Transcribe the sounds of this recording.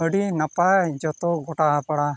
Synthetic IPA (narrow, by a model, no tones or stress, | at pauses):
əɽinapad͡ʒɔt̪ɔɡɔʈaapaɽa